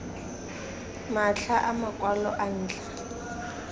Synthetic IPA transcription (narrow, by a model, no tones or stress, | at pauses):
maɬʰaʔamakʼwalɔ̰ʔan̩ːt͡ɬa